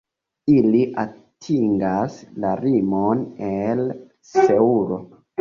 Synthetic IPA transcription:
iliʔatʰiŋɡaslaɾimonel | seuɾo̞̰

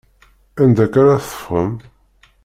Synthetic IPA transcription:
ænd̪ækaɾaθə̥fʁəm

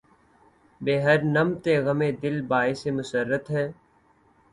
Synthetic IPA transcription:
beːɦəɾnəmt̪eːɣəmẽːd̪ɪlbaːesemʊsəɾːət̪ɦɛː

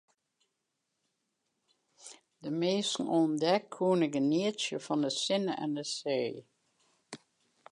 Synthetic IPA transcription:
dəmeːsən̩ɔndɛkʰːuːnəɡəniəsjəfɑndəsɪnəɛ̰ndəsej

